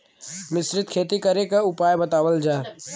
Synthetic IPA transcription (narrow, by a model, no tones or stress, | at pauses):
mɪsɾɪt̪̚kʰeːt̪ikɐɾekaʊpaːjbɐt̪aːʋəld͡ʒaː